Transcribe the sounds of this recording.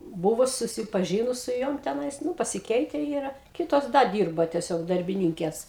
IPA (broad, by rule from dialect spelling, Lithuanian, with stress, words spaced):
ˈbʊʋʊs sʊsʲɪˈpɑːʒʲɪnʊs sʊ ˈjoːm tʲɛˈnɐɪs ˈnʊ pɐsʲɪˈkʲɛɪtʲɛ ˈiːrɐ ˈkʲɪtoːs ˈdɐ ˈdʲiːrbɐ tʲiɛˈsʲoːk dɐrʲbʲɪˈnʲiːŋʲkʲeːs